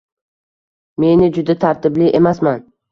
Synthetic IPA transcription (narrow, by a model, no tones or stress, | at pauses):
me̞nɪd͡ʒʊd̪at̪ʰaɾt̪ɪblɪʔemasman